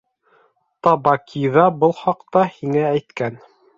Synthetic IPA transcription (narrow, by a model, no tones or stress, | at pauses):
t̪ɑbɑkʰiðɑbɤlˠχɑqt̪ɑhiŋææjt̪kæn